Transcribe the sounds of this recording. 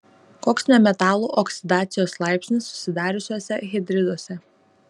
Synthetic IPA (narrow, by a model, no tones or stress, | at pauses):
koːksnʲɛmʲɛt̪ɑːlˠuːʔɔksʲɪd̪ɑːt̪sʲɪjoːslˠɑˑɪpʲsʲnʲɪsːʊ̥sʲɪd̪ɑːɾʲʊsʲuɔsʲɛɣʲɪd̪ʲɾʲɪd̪oɔsʲɛ